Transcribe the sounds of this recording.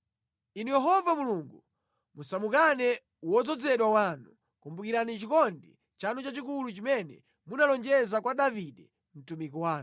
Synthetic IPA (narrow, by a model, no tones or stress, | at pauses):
inujɛɦɔvamuluŋɡu | musamukanɛ | wɔd͡zɔd͡zɛɗwawanu | kumbukiɾanit͡ʃikɔndḭ | t͡ʃanut͡ʃat͡ʃik̬ulut͡ʃimɛnɛ̰ | munalɔnd͡ʒɛzakwaɗaviɗɛ | m̩tumikɔwaːn